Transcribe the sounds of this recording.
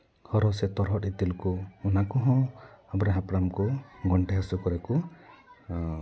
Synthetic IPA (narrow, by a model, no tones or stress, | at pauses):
hɔɾɔset̪ɔɾɦɔʈit̪ilkuːnakuɦɔ̃abɾaɦapɾamkuɡɔɳʈeɦasukɔɾeku